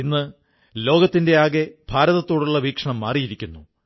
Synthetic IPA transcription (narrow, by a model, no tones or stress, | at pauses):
inːɨ | lo̞ːɡɐt̪ːinde̞aːɣe̞b̥ʱaːɾɐðɐt̪ːo̞ːɽuɭːɐʋiːkʂɐɳɐmːaːrijiɾikʲːunːu